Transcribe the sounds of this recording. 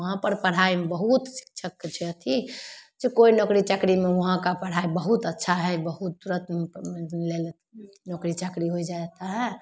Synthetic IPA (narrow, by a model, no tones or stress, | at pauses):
əɦãpəɾpəɽ̤aibəɦut̪si̥kt͡ʃʰəkt͡ʃʰɛt̪ʰid͡ʒekoinɔkɾit͡ʃəkɾimeʋəɦãkapəɽ̤aibəɦut̪ətːʃʰaɦɛbəɦut̪̚d̪uɾət̪ | lelt̪ | nɔkɾit͡ʃəkɾiɦoid͡ʒaɛt̪aɦɛ